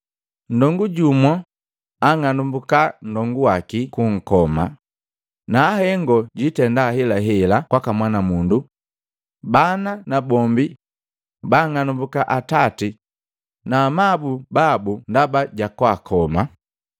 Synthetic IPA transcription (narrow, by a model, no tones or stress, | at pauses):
n̩dɔŋɡuɟumɔ | aŋanumbukan̩dɔŋɡuwakikuŋ̩kɔma | naːhɛŋɡɔɟitɛndahɛlaɦɛlakwakamwanamundu | bananabɔmbi | baŋanumbukaʔatati | namabubabundabaɟakwakʰɔma